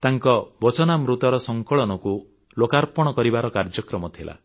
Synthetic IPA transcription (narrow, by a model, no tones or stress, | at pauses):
t̪aŋkɔbɔt͡ʃɔnamɾut̪ɔɾɔsɔŋkɔɭɔnɔku | lokaɾpɔɽ̃ɔkɔɾibaɾɔkaɾd͡ʒɔkɾɔmɔt̪ʰila̰